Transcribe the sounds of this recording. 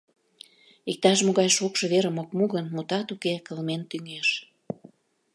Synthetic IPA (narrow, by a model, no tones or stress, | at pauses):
ik̚t̪ɑʃ̬moɣɑjʃokʃɤ̆βeɾə̆mok̚muɣənmut̪ɑt̪ukekəlment̪yŋeʃ